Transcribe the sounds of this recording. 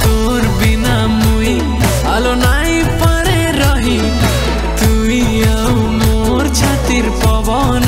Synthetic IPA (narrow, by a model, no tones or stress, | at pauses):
t̪o | ɾbina | muj | alonaj | paɾe | ɾɔɦi | t̪umi | aw | mo | ɾt͡ɕʰat̪iɾpɔbɔ | n